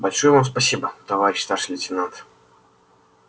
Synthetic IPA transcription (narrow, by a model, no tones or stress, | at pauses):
bɐlʲʂojəvamspɐsʲibət̪ɐvaɾʲɪɕst̪aʂɨlʲɪtʲɪnant̪